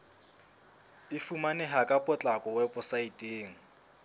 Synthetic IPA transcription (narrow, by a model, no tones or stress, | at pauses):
ɪfumanɛɦakʼapʼɔt͡ɬʼakʼɔwɛpɔsaitʼeːŋ̩